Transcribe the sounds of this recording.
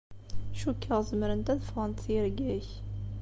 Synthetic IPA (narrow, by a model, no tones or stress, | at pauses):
ʃukʰːəʁzəməɾənt̪æðəfʁənt̪θjəɾɡæç